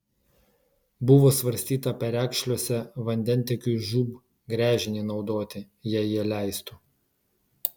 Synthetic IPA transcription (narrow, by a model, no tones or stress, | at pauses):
bʊʋoːsʋɐɾʲsʲt̪ʲiːt̪ɐpʲɛɾʲæːkʃʲlʲoɔsʲɛʋɐnʲd̪ʲɛnʲt̪ʲɛkʲuːʒuːb | ɡɾʲæːʒʲɪnʲiːnɒʊd̪oːt̪ʲɪ | jɛjiɛlʲæˑɪst̪uː